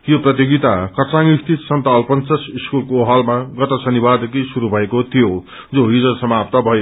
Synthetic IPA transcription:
joprʌt̪̬jiɡit̪akʌt͡saŋikt̪ʰisʌnt̪alpʌnt͡sʌsiskulkoɦʌlmaɡʌt̪ʌsʌnibad̪ekisuɾubʱʌekot̪ʰijo | d͡zoɦid͡zʌsʌmap̚t̪ʌbʱʌjo

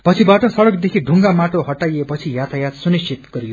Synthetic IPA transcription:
pʌt͡sʰibaʈʌsʌɽʌkd̪ekʰiɖʱuŋɡamaʈoɦʌʈːajepʌt͡sʰijat̪ʰajat̪sunisit̪ɡʌɾijo

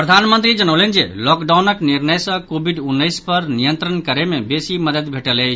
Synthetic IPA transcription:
pɾɐd̪ʱanmə̃nt̪ɾid͡ʒənəwlend͡ʒḛlɔkɖawnəkniɾnəjsə̃kobʱiɖunːəjspɐɾnijənt̪ɾənkəɾemebesiməd̪əd̪bʱeʈəle

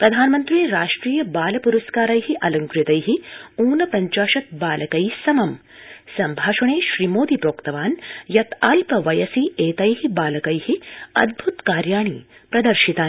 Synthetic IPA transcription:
pɾɐd̪ʱaːnmɐnt̪ɾiːɾaːʂʈɾiːjɐbaːlɐpuɾɐskaːɾɐjɦiʔɐlɐŋkɾjt̪ɐjɦiuːnɐpɐɲt͡ʃaːʃɐt̪̚baːlɐkɐjsɐmɐm | sɐmbʱaːʃɐɳeːʃɾiːmoːd̪ipɾoːkt̪ɐʋaːnjɐt̪aːlpɐʋɐjɐsieːt̪ɐjɦibaːlɐkɐjhiɐ̰d̪̚bʱut̪kaːɾjaːɳipɾɐd̪ɐɾʃit̪aː

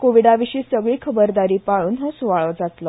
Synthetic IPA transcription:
koʋiɽaʋiɕiːsəɡɭiːkʰəbəɾd̪aɾiːpaɭuːnɦəsuʋaɭɔd͡zat̪lɔ

